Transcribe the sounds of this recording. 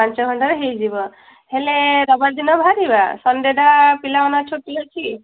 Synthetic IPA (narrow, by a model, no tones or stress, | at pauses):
pãnt͡ʃɔɡʱɔɳʈaɾeɦejd͡ʒibɔ | heleɾɔbald̪inɔbʱaɾibasɔnd̪edapilaɔnat͡ʃʰoʈilɔt͡ʃʰi